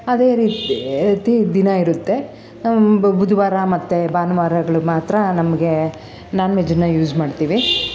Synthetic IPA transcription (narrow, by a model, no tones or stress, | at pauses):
ɐd̪e̞ːɾiːt̪ːt̪id̪inɐiɾut̪ːe̞ | bud̪ʱʋaːɾamɐt̪ːebaːnɐʋaːɾɐɡɐɭumaːt̪ɾɐnɐmɐɡe̞ | naːnʋed͡ʒɐnːɐjuːd͡ʒmaːɖt̪iːʋi